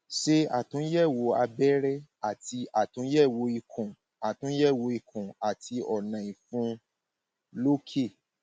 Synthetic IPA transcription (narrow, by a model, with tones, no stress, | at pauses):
ʃe˦a˨tũ˨˦jɛ˦˨wo˨˧˦a˧bɛ˦ɾɛ˦a˨ti˧˦a˨tũ˨˦jɛ˦˨wo˧˦i˧kʰũ˨ | a˨tũ˨˦jɛ˦˨wo˨˧i˧kʰũ˨a˨tʰi˧ɔ˨nã˨i˨fũ˧ | lo˦kʰe˦˨